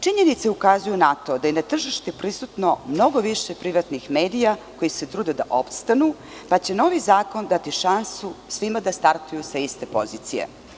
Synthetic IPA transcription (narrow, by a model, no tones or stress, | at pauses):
t͡ʂiɲe̞nit̪seukazujunat̪o̞d̪ajenat̪r̩ʒiʃt̪epɾisut̪no̞mno̞ɡo̞ʋiʃepɾiʋat̪nixme̞ːd̪ijako̞jiset̪ɾuːd̪ed̪aʔopst̪anu | pat͡ɕeno̞ʋizaːko̞nd̪at̪iʃansusʋimad̪ast̪aɾt̪ujusaist̪e̞po̞̰ziːt̪sije̞̰